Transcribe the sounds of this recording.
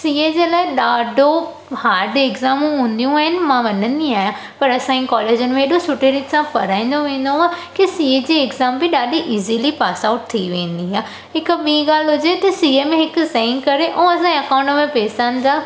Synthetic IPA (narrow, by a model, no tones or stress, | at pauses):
siːed͡ʑeːlaːɪɗaːɖʱo | haːɾɖeːkzaːmũɦũːnd̪ijũaːɦɪnɪ̆mãʋɐnə̃nd̪iaːɦjã | pɐɾɐsãːikɔːleːd͡ʑənɪmẽɦeɗosʊʈeɾɪʈsãpɐɾaːĩːnd̪oʋẽːnd̪oɦãːkisiːed͡ʑeːkzaːmbɪɗaːɖiʔiːzilipaːsaʊʈ̚t̪ʰiʋẽːnd̪iɦaː | ɦɪkɓiːɡaːlɦʊd͡ʑet̪ɐsiːəmẽɦɪkʊ̆seːɪ̃ŋɡkɐɾeʔoːɐsãːɐkaːʊ̃ɳʈmẽpɛːsaːnɪ̆d̪aː